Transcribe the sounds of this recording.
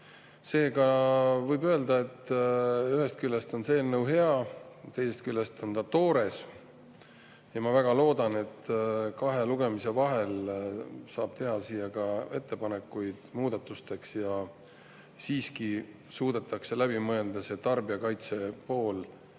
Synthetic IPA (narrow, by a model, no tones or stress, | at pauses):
se̞ːɡɑvɤjbø̞ːld̪ɑe̞t̪ː | yɦhe̞st̪̚kylʲːest̪o̞nse̞ːlnəwɦe̞ɑt̪e̞jse̞st̪̚kylʲːest̪o̞nt̪ɑt̪o̞ːɾe̞s | jɑmɑvæɡ̥ɑlo̞ːd̪ɑne̞t̪ːkɑɦe̞luɡe̞mise̞vɑɦe̞l | sɑːb̥̚t̪e̞ɦɑsiːjɑɡɑe̞t̪ːe̞pɑne̞kːˑujd̪̥muːd̪̥ɑt̪ːˑust̪e̞ksjɑ | siːski | suːd̪̥e̞t̪ːˑɑkse̞læb̥imɤe̞ld̪̥ɑse̞t̪ɑrbiɑkɑjt̪se̞po̞ːl